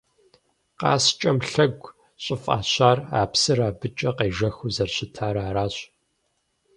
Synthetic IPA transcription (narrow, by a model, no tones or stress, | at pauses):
qɑ̰ːst͡ʃʼɐmɬɐɡʷ | ɕʼɪfʼa̰ːɕaːra̰ːpsɨraːbɨt͡ʃʼɐqeːʒɐxuzɐrɕɪtʰaːɾaːɾaːɕ